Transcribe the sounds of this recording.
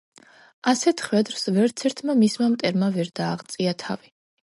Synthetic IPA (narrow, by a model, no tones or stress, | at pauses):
asɛt̪ʰχvɛd̪ɾsvɛɾt̪sʰɛɾt̪ʰmamismamt̪ʼɛɾmavɛɾd̪aːʁt̪sʼiat̪ʰa̰vi